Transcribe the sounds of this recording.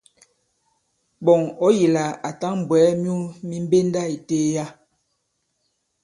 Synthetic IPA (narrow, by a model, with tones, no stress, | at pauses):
bɔ˨ŋɔ˦ji˨la˨a˨ta˦ŋm̩˨bwɛː˨˦mju˦mi˦m˦be˦nda˦i˨teː˦ja˦